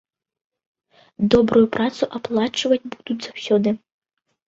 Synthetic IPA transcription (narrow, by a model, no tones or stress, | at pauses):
d̪ɔbɾujupɾat̪suʔaplˠat͡ʂvɐd͡zʲbud̪ut͡sʲz̥awsʲɔd̪ɨ